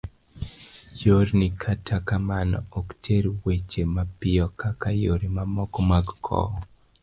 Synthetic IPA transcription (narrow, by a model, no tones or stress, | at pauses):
joɾnikʰatʰakamanɔ̰ɔktʰeɾwet͡ʃemapɪɔkakajoɾimamɔkɔmaɡkʰɔ̰